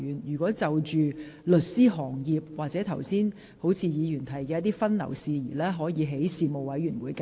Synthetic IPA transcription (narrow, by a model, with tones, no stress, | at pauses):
yː˨˩njyː˨˩kʷwɔː˨˥t͡sɐ˨wt͡ʃyː˨lɵ˨t̚siː˥ɦɔː˨˩ŋjiː˨p̚waː˨k̚t͡sɛ˨˥t̪ʰɐ˨˩wsiː˥n | ho˨˥wt͡sʰiː˧jiː˨˧jyː˨˩nt̪ʰɐ˨˩jkɛː˧jɐ˥t̪̚iː˥fɐ˥nnɐ̰˨˩wsiː˧jiː˨˩lɛː˥ɦɔː˨˥jiː˨˧ɦe˨˥jsiː˨˧mo˨wɐ˨˥jɥyː˨˩nwuː˨˧jkː